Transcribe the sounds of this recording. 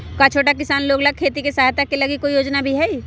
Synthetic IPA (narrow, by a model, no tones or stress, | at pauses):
kat͡ʃʰoːʈak̬ɪsaːnloːɡlɐɡ̚kʰeːt̪ikesaːɦt̪akːelɐɡikoːijoːd͡ʒnabʱiɦɛi